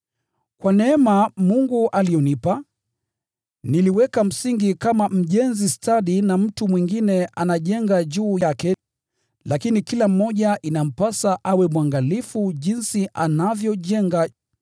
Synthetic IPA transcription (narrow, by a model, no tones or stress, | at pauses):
kwanɛɛmamuŋɡuʔalijɔnipa | niliwɛkam̩siŋɡikamam̩ʄɛnzistaɗinam̩tumwiŋɡinɛʔanaʄɛŋɡaʄuːjakɛ | lakinikilam̩ːɔʄaʔinam̩pasaʔawɛmwaŋɡalifuʄinsiʔanavjɔʄɛŋɡa